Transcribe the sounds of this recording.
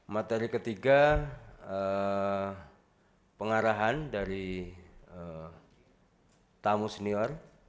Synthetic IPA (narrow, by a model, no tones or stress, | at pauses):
mat̪eɾikət̪iɡa | ə | pəŋaɾaɦandaɾi | ə | t̪amusəniɔr